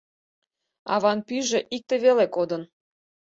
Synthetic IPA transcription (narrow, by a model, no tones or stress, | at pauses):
ɑ̰βɑnpyʒeʔik̚t̪eβelekod̪ən